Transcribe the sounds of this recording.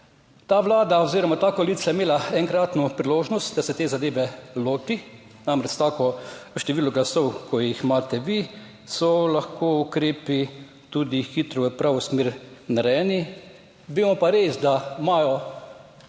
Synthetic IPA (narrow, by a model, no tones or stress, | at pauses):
t̪aːʋlaːd̪aɔziːɾɔmat̪aːkoliːt̪sajimeːlaɛŋkɾaːt̪nupɾiloːʒnɔst̪d̪asɛt̪eːzad̪eːʋɛloːt̪i | namɾɛt͡ʃt̪aːkɔʃt̪ɛʋiːlɔɡlasɔwkʰɔjixmaːt̪ɛʋi | sɔlaxkoːukɾeːpi | t̪ud̪ixit̪ɾɔʋəpɾʔaːʋosmeːɾnaɾɛːni | ʋeːmɔpaɾeːsd̪amaːjɔ